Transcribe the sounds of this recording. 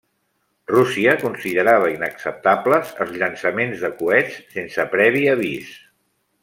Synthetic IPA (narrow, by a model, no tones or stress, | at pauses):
rusiəkunsiðəɾaβəinəksəp̚t̪apləzə̰lˠzʎənsəmenzðəkuɛt͡sːensəpɾɛβ̞iəβis